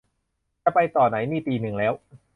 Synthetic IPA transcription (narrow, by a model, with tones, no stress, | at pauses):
t͡ɕa˧˩pa˧jt̪ɔː˨˩na˩˦jniː˥˩t̪iː˧nɯ˨˩ŋlɛː˦˥w